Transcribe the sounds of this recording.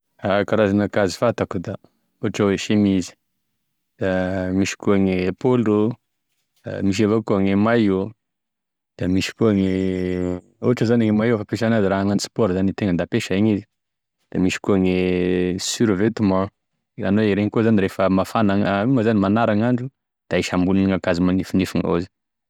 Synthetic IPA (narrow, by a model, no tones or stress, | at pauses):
akaɾazanakazi̥fat̪akud̪a | oʈ͡ʂaweʃemizi̥ | d̪̥amiʃi̥kuaŋepolṵ | miʃ̬avokuaŋemaju | d̪̥iamiʃi̥kuaŋe | oʈ͡ʂəzanaŋemajefapeʃanaziɾaɦaŋanisi̥poɾzanit̪eŋənd̪apeʃaiɲizi̥ | d̪̥amiʃi̥kuaŋesyɾvet̪imã | a̰neiɾeŋkuzaniɾefəmafanaŋiməzanimanaɾaŋaɳɖ͡ʐu | d̪̥aiʃambuluniŋakazimanifinifiŋo̰zi̥